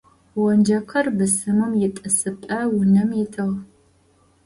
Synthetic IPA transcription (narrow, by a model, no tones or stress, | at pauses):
wɔnd͡ʒɐqʰɐrbɨsɨmɨmjɪtʼɨsɨpʼɐwʊnɐmjɪtʰɨʁ